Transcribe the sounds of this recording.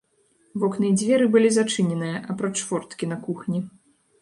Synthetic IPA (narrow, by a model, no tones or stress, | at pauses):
vɔknɨjɛd͡zʲvʲɛɾɨbɨlʲizat͡ʂɨnʲɛnɨjɐʔɐpɾɔt͡ʂvɔrt̪kʲinɐkuxnʲi